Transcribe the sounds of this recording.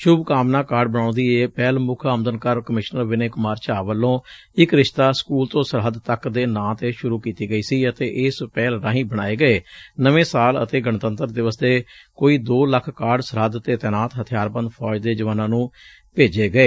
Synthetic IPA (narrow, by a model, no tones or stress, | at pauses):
ʃʊbkaːmnãːkaːɾɖ̚bəɽ̃ãːnd̪iːeːpɛːlmʊkʰəmd̪ənkəɾkəmɪʃnəɾʋɪneːkʊmaːɾt͡ʃaːʋəlːõː | ɪkɾɪʃt̪aːskuːlt̪õːsəɾɦəd̪t̪əkd̪eːnãːt̪eːʃʊɾuːkiːt̪iːɡəiːsiːət̪eːʔɪspɛːlɾãːɦĩːbəɽ̃aːeːɡəeːnəʋẽːsaːlə̰t̪eːɡəɳt̪ənt̪əɾd̪ɪʋəst̪eː | koːiːd̪oːləkʰkaːɖsəɾɦəd̪t̪eːt̪ɛːnaːt̪ɦət̪ʰɪjaːɾbə̃nd̪pʰɔːd͡ʒd̪eːd͡ʒəʋaːnãːnũː | peːd͡ʒeːɡəeː